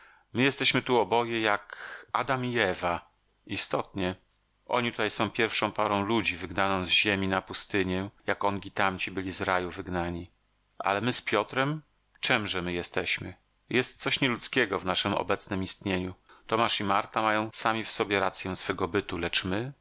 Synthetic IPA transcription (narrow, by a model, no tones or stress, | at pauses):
mɘjɛst̪ɛɕmɘt̪uɔbɔjɛjaka̰d̪amijɛva | ist̪ɔt̪ɲɛ | ʔɔ̰ɲit̪ut̪ajsɔ̃w̃pʲjɛɾfʂɔ̃w̃paɾɔ̃w̃lud͡ʑivɘɡnanɔ̃w̃zʑemʲinapust̪ɘɲɛjakɔŋɡʲit̪amt͡ɕibɘlʲizɾajuvɘɡnaɲi | ʔa̰lɛmɘspʲjɔt̪ɾɛm | t͡ʂɛmʐɛmɘjɛst̪ɛɕmɘ̰ | jɛst̪̚t̪sɔɕɲɛlut̪skʲɛɡɔvnaʂɛmɔ̰bɛt̪snɘmist̪ɲeɲut̪ɔmaʂimaɾt̪amajɔ̃w̃samʲifsɔbʲjɛɾat̪sʲjɛ̃sfɛɡɔbɘt̪ulɛt͡ʂmɘ